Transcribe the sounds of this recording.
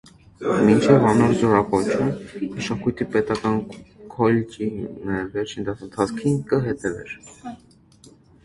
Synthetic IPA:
mint͡ʃʰɛvɑnɔɾzɔɾɑkɔt͡ʃʰunməʃɑkujt̪ʰipɛt̪ɑkɑnkʰɔlt͡ʃinɛvɛɾt͡ʃʰind̪ɑənt̪ʰɑt͡skʰinkəɦɛt̪ɛvɛ̰ɾ

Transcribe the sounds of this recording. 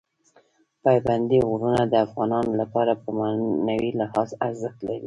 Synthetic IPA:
pɑjband̪iɣɾunad̪əafɣɑnɑnolapɑɾapəmanawilɪhɑzaɾzəxt̪laɾi

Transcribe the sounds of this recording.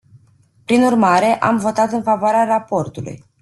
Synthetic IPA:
pɾinurmaɾe̞ʔa̰mvo̞t̪at̪ɨnfavoaɾearapo̞rt̪ulṵj

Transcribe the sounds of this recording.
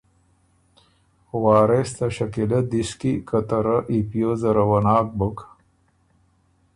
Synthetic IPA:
waːɾest̪ɐɕɐkilɐd̪iskikɐt̪ɐɾɐʔipjozɐɾɐwɐnaːk̚buk

